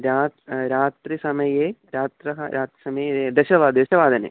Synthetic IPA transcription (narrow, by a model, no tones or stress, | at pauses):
ɾaːɾaːt̪ɾisɐmɐjeːɾaːt̪ɾɐɦɐɾʔaːt̪ɾisɐmɐjed̪ɐʃɐʋaːd̪ɐʃɐʋaːd̪ɐnḛː